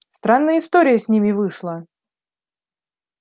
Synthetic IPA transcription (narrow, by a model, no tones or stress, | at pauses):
st̪ɾanːəjəɪst̪oɾʲɪjəsʲnʲimʲɪvɨʂlˠə